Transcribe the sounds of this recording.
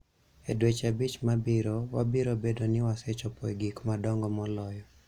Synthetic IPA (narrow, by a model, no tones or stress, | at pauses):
ɛdwet͡ʃabit͡ʃmabiɾowabiɾobedonɪwasɛt͡ʃɔpɔjɡikmadɔŋɡɔmɔlɔjɔ